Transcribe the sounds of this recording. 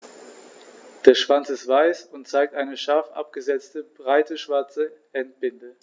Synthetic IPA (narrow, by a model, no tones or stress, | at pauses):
d̥eːɐʃv̥ant͡sɪstv̥aɪsʊntt͡saɪk̚tʔaɪnəʃaɐfʔa̰p̚ɡ̥əzɛt͡stəb̥ʁaɪtəʃv̥aɐt͡səʔɛnt̚b̥ɪndə